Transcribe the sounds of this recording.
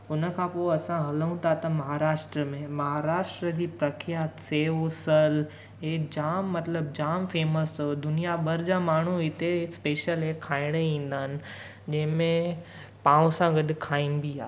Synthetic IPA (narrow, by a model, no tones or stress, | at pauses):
ʊnə̆kʰãpoːɐsãɦɐləũt̪ʰat̪ɐmɐɦaːɾaːʃʈɾəmẽmɐɦaɾaːʃʈɾəd͡ʑiːpɾɐkʰjaːt̪seːɦosəl | ɦed͡ʑaːmːɐt̪ləb̚d͡ʑaːmfeːməsod̪ʊnijaɓɐɾd͡ʑaːmaːɳ̤uɪt̪espeːʃəlɦekʰaːɪɽ̃əĩːn̆d̪aːɦɪnɪ̆ | d͡ʑɐ̃ɦɪ̃mẽ | pãːũsãɡɐɗkʰaːĩnbiaː